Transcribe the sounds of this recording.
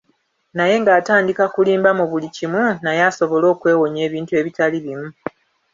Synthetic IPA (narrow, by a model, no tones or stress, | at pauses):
naje̞ŋɡaːtaːndikakuliːmbamuβulicimwunajaːso̞βo̞lo̞ːkwe̞ːwo̞ɲe̞ːβiːntue̞ːβitaliβimu